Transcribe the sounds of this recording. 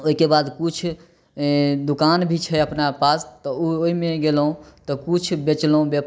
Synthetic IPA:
oikebad̪kut͡ʃʰ | d̪ukanbʱit͡ʃʰɛəpnapast̪ɔuoɦimeɡelɦũt̪ɔkut͡ʃʰbet͡ʃlũbep

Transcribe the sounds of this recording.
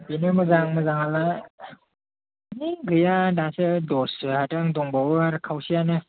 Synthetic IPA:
pinɯmɯzaŋmɯzaŋala | niɡɯjadasɯdɔsɯhataŋdɔŋbawaɾkʰawsijanɯ

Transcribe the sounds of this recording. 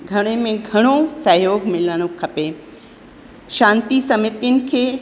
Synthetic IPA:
ɡʱɐɽ̃emẽɡʱɐɽ̃osɐjoːɡmɪləɽ̃õkʰɐpe | ʃãːnt̪isɐmɪt̪ijʊnɪ̆kʰeː

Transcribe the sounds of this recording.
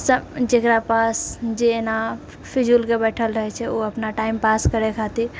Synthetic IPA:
səd͡ʒekɾapasd͡ʒeːna | pʰid͡ʒulkebɛʈʰəlɾəɦɛt͡ʃʰɛoəpnaʈaimpaskəɾekʰat̪i

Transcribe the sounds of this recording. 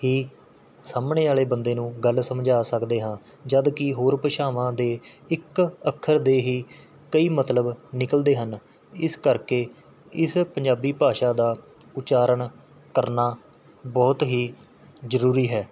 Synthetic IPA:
hiː | saːmɳeːaːɭeːbənd̪eːnũːɡəlsəmd͡ʒaːsəkd̪eːɦãː | d͡ʒəd̪kɪɦoːɾpəʃaːʋãːd̪eːɪkəkʰːəɾd̪eːɦiː | kəiːmət̪ləbnɪkəld̪eːɦən | ɪskəɾkeː | ɪspəɲd͡ʒaːbiːpaːʃaːd̪aː | ʊt͡ʃaːɾəɳ | kəɾnaː | bɔːt̪ɦiː | zəɾuːɾiːɦɛː

